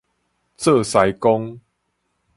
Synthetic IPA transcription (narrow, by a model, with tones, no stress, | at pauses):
t͡sɤ˥˧˨sa˨˦jko˦ŋ